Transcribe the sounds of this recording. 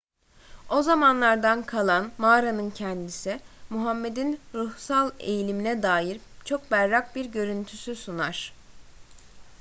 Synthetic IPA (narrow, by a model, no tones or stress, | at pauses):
o̞zamanlˠaɾd̪ankʰalˠanmaːɾanɯncʰɛnd̪isimuɦamːe̞d̪inɾuhsalˠe̞̰jilʲiminɛd̪aːjiɾt͡ʃʰo̞k̚bæɾːak̚biɾɟø̞ɾynt̪ʰysysunaɾ̥